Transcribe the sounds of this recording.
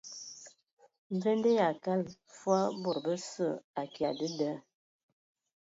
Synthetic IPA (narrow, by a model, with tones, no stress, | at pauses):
ɱvɛ˦ndə˦ja˨ka˦lfwa˦bo˨ɾbə˦sə˦˨a˨kja˨də˦də˦